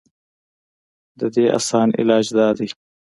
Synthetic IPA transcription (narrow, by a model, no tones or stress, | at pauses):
d̪əd̪eːʔa̰sɑːnɪ̰lɑːd͡ʒd̪ɑːd̪ij